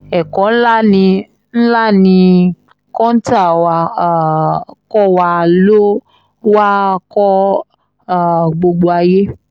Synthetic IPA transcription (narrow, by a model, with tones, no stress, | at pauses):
ɛ˨kɔ˨˦n̩˦la˦˨nĩ˧ | n̩˦la˦˨nĩ˧ | kɔ̃˦n̩˦ta˦˨wa˧˨ | kɔ˦wa˧˨lo˦ | wa˦kɔ˦ | a˨ɡ͡bo˧ɡ͡bo˧a˧je˦